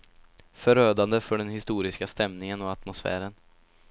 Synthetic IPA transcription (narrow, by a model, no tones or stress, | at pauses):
fœɾøːd̪and̪əfœɖɛnhɪst̪uːɾɪskast̪ɛmnɪŋənɔat̪mʊsfæ̰ːɾən